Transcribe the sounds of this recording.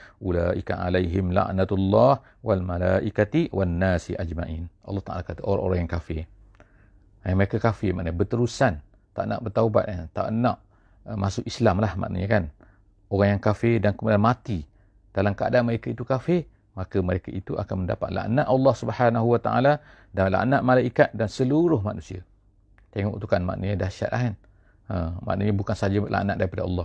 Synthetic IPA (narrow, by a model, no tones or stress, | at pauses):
ʔulaːʔika̰a̰lajɦɪmla̰ʔnat̪lːɑh | walmalaːʔikat̪iwanːaːsiʔad͡ʒmaʔinʔɑ̰lˤːɑht̪aʔa̰lakat̪əʔoɾa̰ŋo̰ɾaŋjaŋkafɪr | jaŋməɾekakafɪmaʔnabət̪əɾusan | t̪aʔna̰ʔbərt̪auba̰t̪̚ant̪a̰ʔənãʔ | masʊkislamlahma̰ʔnə̰ɲakan | oɣaŋjaŋkafɪrdankəmulanmat̪i | d̥alamkəa̰danməɾekait̪ukafɪr | makəməɾekaʔit̪uʔa̰kanmənda̰pat̪̚la̰ʔnaʔ̪ʔɑlːɑhsubəhanaɦuwat̪aʔa̰la | dala̰ʔnaʔ̪̚malaikat̪̚dansəluɾʊhmanusiə | t̪eŋɔʔt̪ukanma̰ʔnʔəɲadaʃa̰t̪̚lʔa̰hkan | əma̰ʔnəɲabukansad͡ʒəlʔa̰ʔnaʔ̚daɾipadaɑ̰lˤːɑh